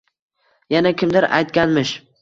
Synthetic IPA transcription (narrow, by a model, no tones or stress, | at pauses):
janakʲʰɪmd̪ɪɾa̰jt̪kʲanmɪʃ